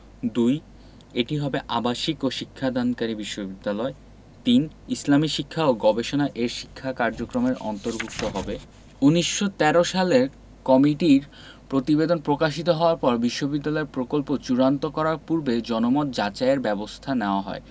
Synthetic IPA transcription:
d̪uj | eʈiɦɔbeʔabaʃikoʃikʰːad̪ʱankaɾibiʃːobid̪ːalɔe | t̪in | islamiʃikʰːaoɡɔbeʃonaʔeʃi̥kʰːakaɾd͡ʑokɾomeɾʔɔ̰nt̪oɾbʱuk̚t̪oɦɔbe | uniʃːot̪ɛɾoʃaleɾ | kɔmiʈiɾ | pɾot̪ibed̪onpɾokaʃ̬it̪oɦɔoaɾpɔɾbiʃːobid̪ːalɔeɾpɾokolpot͡ɕuɾant̪okɔɾaɾpuɾbed͡ʑɔnomɔt̪̚d͡ʑat͡ɕaeɾbɛbost̪ʰaneoaɦɔ̰e

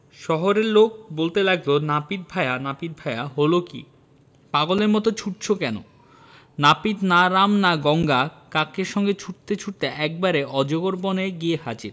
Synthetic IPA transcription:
ʃɔɦoɾeɾlok̚bolt̪elaɡlonapit̪̚bʱaeanapit̪̚bʱaeaɦolokḭ | paɡoleɾmɔt̪ot͡ɕʰuʈ̚t͡ɕʰokɛno̰ | napit̪naɾamnaɡɔŋɡakakeɾʃɔŋɡet͡ɕʰuʈ̚t̪et͡ɕʰuʈ̚t̪eʔɛk̚baɾeʔɔd͡ʑoɡoɾboneɡieɦat͡ɕiɾ

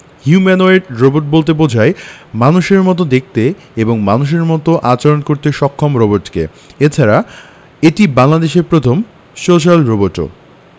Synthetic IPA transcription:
hjumɛnoeʈɾoboʈ̚bolt̪̬ebod͡ʑʱaemanuʃeɾmɔt̪̬od̪ek̚ʰt̪e | eboŋmanuʃ̬eɾmɔt̪oʔat͡ɕaɾonkoɾt̪eʃɔkʰːomɾoboʈkḛ | et͡ɕʰaɾa | eʈibaŋlad̪eʃeɾpɾot̪ʰom | soʃ̬alɾoboʈo̰

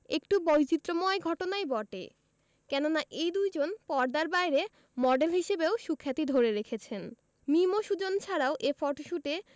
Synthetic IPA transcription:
ḛkʈubɔjt͡ɕit̪ːɾomɔeɡʱɔʈonaebɔʈḛ | kɛnonaʔejd̪ujd͡ʑonpɔɾd̪aɾbajɾe | mɔɖelɦiʃebeoʃukʰːat̪id̪ʱoɾeɾekʰet͡ɕʰen | mimoʃud͡ʑont͡ɕʰaɾaoʔefɔʈʃuʈe

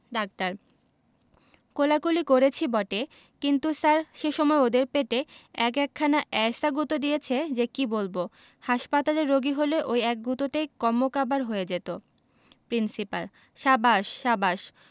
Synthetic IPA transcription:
ɖak̚t̪aɾ | kolakulikoɾet͡ɕʰibɔʈe | kint̪usaɾʃeʃɔmɔeod̪eɾpeʈeɛkɛkʰːanaʔɛsaɡut̪od̪ijet͡ɕʰed͡ʑekibolbo | haʃpat̪aleɾːoɡiɦoleʔojɛk̚ɡut̪otejkɔmːokabaɾɦojed͡ʑet̪o | pɾinsipa̰l | ʃabaʃːabaʃ

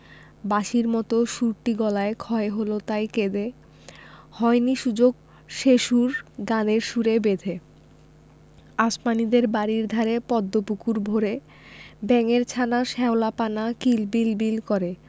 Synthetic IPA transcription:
baʃiɾmɔt̪oʃuɾʈiɡɔlaekʰɔeɦolot̪ajked̪e | hɔeniʃud͡ʑoɡ | ʃeʃuɾɡaneɾʃuɾebed̪ʱe | asmanid̪eɾbaɾiɾd̪ʱaɾepɔd̪ːopukuɾbʱoɾe | bɛŋeɾt͡ɕʰanaʃɛolapanakilbilbilkɔɾe

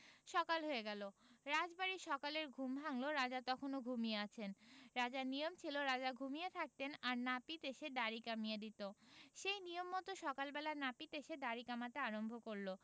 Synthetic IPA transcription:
ʃɔkalɦoeɡɛloɾad͡ʑbaɾiʃɔkaleɾɡʱumbʱaŋloɾad͡ʑat̪ɔkʰonoɡʱumijeat͡ɕʰenɾad͡ʑaɾnijomt͡ɕʰiloɾad͡ʑaɡʱumiet̪ʰak̚t̪enaɾnapit̪eʃeɖaɾikamijed̪it̪oʃejnijomːɔt̪oʃɔkalbɛlanapit̪eʃeɖaɾikamat̪eaɾombʱokoɾlo

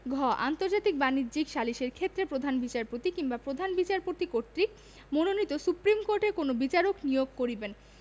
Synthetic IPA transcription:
ɡʱɔʔa̰nt̪oɾd͡ʑat̪ik̚banidd͡ʑikʃaliʃeɾkʰet̪ːɾepɾod̪ʱanbit͡ɕaɾpot̪ikiŋbapɾod̪ʱanbit͡ɕaɾpot̪ikoɾt̪ɾik | mononit̪osupɾimkoɾʈeɾkonobit͡ɕaɾoknijoɡ̚koɾiben

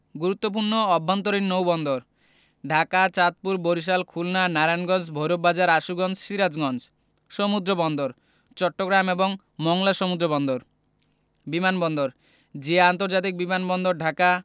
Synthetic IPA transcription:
ɡuɾut̪ːop̬uɾnoɔbʱːant̪oɾiɾnowbɔnd̪oɾ | ɖʱakat͡ɕat̪̚puɾboɾiʃ̬alkʰulnanaɾanɡɔnd͡ʑbʱojɾobːad͡ʑaɾaʃuɡɔnd͡ʑʃiɾad͡ʑɡɔnd͡ʑ | ʃomud̪ɾobɔnd̪oɾ | t͡ɕɔʈːoɡɾameboŋ | mɔŋlaʃomud̪ɾobɔnd̪oɾ | bimanbɔnd̪oɾ | d͡ʑeant̪oɾd͡ʑat̪̬ik̚bimanbɔnd̪oɾɖʱaka

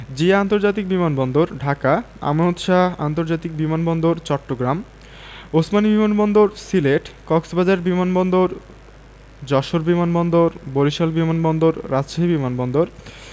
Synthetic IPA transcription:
d͡ʑiant̪oɾd͡ʑat̪ik̚bimanbɔnd̪oɾɖʱaka | a̰monot̪ʃaa̰nt̪oɾd͡ʑat̪ik̚bimanbɔnd̪oɾt͡ɕɔʈːoɡɾam | osmanibimanbɔnd̪oɾsileʈkɔksbad͡ʑaeɾbimanbɔnd̪oɾ | d͡ʑɔʃoɾbimanbɔnd̪oɾboɾiʃalbimanbɔnd̪oɾːad͡ʑʃaɦibimanbɔnd̪oɾ

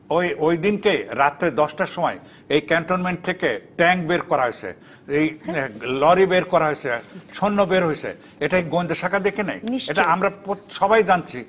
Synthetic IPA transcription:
ojojd̪inkeɾat̪ɾed̪ɔsʈaʃɔmɔe | ejkɛɳʈonmeɳʈ̚t̪ʰekeʈɛŋkbeɾkɔɾaɦojsʰḛ | ejlɔɾibeɾkɔɾaɦojsʰeʃʰonːobeɾɦojsʰḛ | eʈaiɡond̪eʃakʰad̪ekʰena̰jeʈaamɾapoʃɔbajd͡ʑant͡ɕʰi

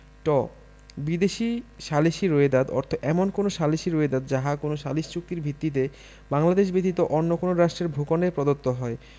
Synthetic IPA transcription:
ʈɔ | bid̪eʃiʃaliʃiɾoed̪ad̪ɔ̰ɾt̪ʰoɛmonkonoʃaliʃiɾoed̪ad̪d͡ʑaɦakonoʃaliʃt͡ɕuk̚t̪iɾbʱit̪ːit̪̬e | baŋlad̪eʃ̬bet̪it̪oʔɔnːokonoɾaʃʈɾeɾbʱokonepɾɔd̪ot̪ːoɦɔe

